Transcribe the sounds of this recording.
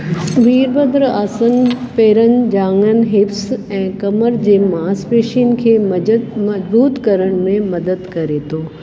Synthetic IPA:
ʋiːɾbəd̪ɾaːsə̃ŋɡpeːɾənɪ̆d͡ʑaːŋənɪ̆ɦɪfsɛ̃ːkɐməɾd͡ʑeːmaːspeːʃinɪ̆kʰeːmɐd͡ʑbuːt̪kɐɾəɽ̃mẽmɐd̪əd̪kɐɾet̪ʰoː

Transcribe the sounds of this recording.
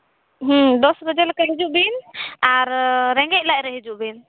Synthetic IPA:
ɦə̃d̪ɔsɾɔd͡ʒɛlkaɦid͡ʒuʔbinaɾɾɛŋɡɛʔ̚laʔɾəɦid͡ʒuʔbin

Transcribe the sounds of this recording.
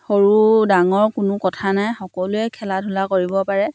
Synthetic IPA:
xoɹudaŋɔɹkʊnʊkɔtʰanajxɔkɔlʊɛkʰɛladʱʊlakoɹibɔpaɹɛ

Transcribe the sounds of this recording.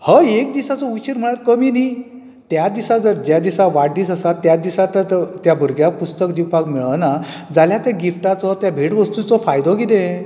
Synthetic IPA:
həek̚d̪isat͡sɔut͡ɕiɾm̤əɽ̃aɾkəmiːni | t̪jad̪isad͡zəɾd͡ʑjad̪isaʋaʈd̪iːsasat̪ːjad̪isat̪ət̪jabʱəɾɡjapust̪əkd̪iwpakmiɭənad͡zaljat̪jaɡifʈat͡sɔt̪jabʱeʈʋəst̪ut͡sɔfajd̪ɔkit̪ẽ

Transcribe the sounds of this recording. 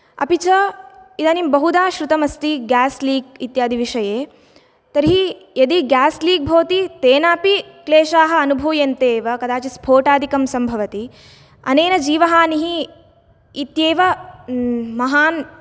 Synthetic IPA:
ɐ̰pit͡ʃɐid̪ɐːnimbɐɦud̪aːʃɾut̪ɐmɐst̪iɡaːsliːɡit̪jaːd̪ʱiʋiʂɐjeː | t̪ɐɾiɦijɐd̪iɡaːsliːɡ̚bʱoːt̪it̪eːnaːpikleːʃaːɦɐ̆ɐnubʱuːjɐnt̪eːʋɐkɐd̪aːt͡ʃispʰoːʈaːd̪ʱikɐmsɐmbʱɐʋɐt̪i | ɐ̰neːnɐd͡ʒiːʋɐɦaːniɦiː | t̪jeːʋɐ | mɐɦaːn

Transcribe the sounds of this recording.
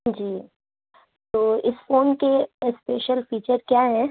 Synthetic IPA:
d͡ʒiː | t̪oːɪsfoːnkespeːʃəlfiːt͡ʃəɾkjaɦɛ̃ː

